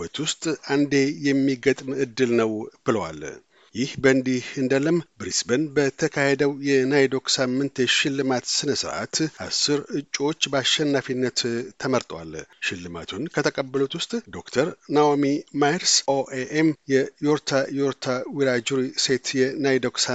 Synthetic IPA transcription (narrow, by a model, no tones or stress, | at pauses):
ət̪wʊst̪ʼand̪e̞jɛmːiɡət̪ʼmɨd̪ːɨlnəwb̥ɨləwa̰l | jɪhbənd̪ihɨnd̪ələmbɾisbənbət̪ʰəkʰahe̞d̪əwjɛnajd̪o̞ksamːɨnt̪ɛʃɪlːɨmat̪sɨnəsɨɾʔa̰t̪ʔasːɨɾɨt͡ʃʼːo̞t͡ʃːbaʃːɛnːafinːət̪ʰːəməɾt̪ʼwa̰lʃɪlːɨma̰t̪ʰunkʰət̪ʰəkʼəbːəlot̪wʊst̪ʼd̪o̞kt̪ʰəɾnawamimajɾsoʔeʔemjɛjoɾt̪ʰajoɾt̪ʰawiɾad͡ʒuɾise̞t̪ʰjɛnajd̪oksa